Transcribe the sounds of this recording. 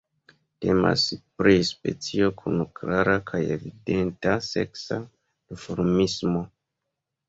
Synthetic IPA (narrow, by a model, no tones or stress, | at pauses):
te̞ma̰spɾispe̞t͡sio̞kʰunkɾaɾakʰaje̞̰vide̞ntase̞̰ksa | difoɾmismo̞